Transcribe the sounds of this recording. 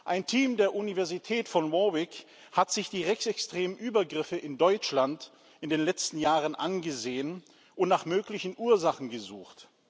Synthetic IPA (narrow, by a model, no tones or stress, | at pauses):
ʔaɪntʰiːmdeːɐʔunivɛɐzitʰɛːtfɔnmɔwɪk | hatz̥ɪçd̥iːʁɛçsɛkstʁ̥eːmənʔyːbɐɡʁɪfəʔɪndɔʏt͡ʃlant | ʔɪndeːnlɛt͡stn̩jaːʁənʔanɡəzeːən | ʔʊntnaːχmøːklɪçn̩ʔuːɐzaχn̩ɡəzuːxt